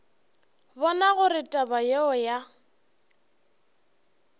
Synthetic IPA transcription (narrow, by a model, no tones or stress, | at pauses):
bɔnaɣʊɾɪtʼabajeɔja